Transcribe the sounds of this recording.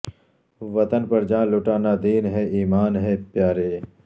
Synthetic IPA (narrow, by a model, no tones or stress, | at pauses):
ʋɐt̪ənpɐɾd͡ʒãːlʊʈaːnaːd̪iːnɦɛːiːmaːnɦɛːpjaːɾeː